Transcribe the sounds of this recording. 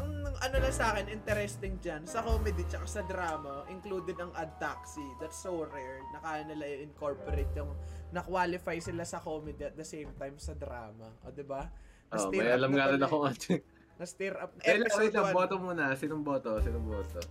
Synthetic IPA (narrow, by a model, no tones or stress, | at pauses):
ʔɐŋɐnolɐŋsʔaːkɪnʔɪnt̪ɛɾɛst̪ɪŋd͡ʒansɐkoːmɛd̪it͡ʃɐkasɐd̪ɾaːmɐʔɪŋkluːd̪ɛd̪ɐŋʔɐd̪̚t̪aksid̪ɐt̪soɾɛɹnɐkaːjɐnɐlɐjɐɪŋko̞ɹpoɾet̪̚jʊŋnɐkwaːlɪfajsɪlasɐkoːmɛd̪iɐt̪̚d̪ɐsejmt̪ajmsɐd̪ɾa̰ːmɐʔoːd̪ɪbanʔoɐːʔ̪mɐjjʔɐlamɡaɾɐnɐkoat͡ʃɛ | nɐst̪iɾʔɐp̚nɐʔɛlɛet̪ɐboːt̪omuːnɐsɪnʊmboːt̪osinʊŋboːt̪o